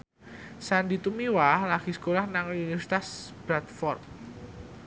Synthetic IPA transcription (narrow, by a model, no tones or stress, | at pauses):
sandit̪umiwalaɡ̥isə̥kolahnaŋuunifɛɾsi̥t̪asb̥ɾat̪̚fɔrt